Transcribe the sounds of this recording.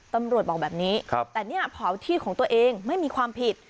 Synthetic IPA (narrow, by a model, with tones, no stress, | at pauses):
t̪a˧mɾu˨˩ət̪̚ɓɔː˨˩bɛː˨˩p̚niː˦˥˧t̪ɛː˨˩ni˥˩ɐpʰɔː˨˩˦wt̪ʰiː˥˩kʰɔː˩˦ŋt̪u˧əʔeː˧ŋma˥˩jmiː˧kʰwaː˧mpʰi˨˩t̪̚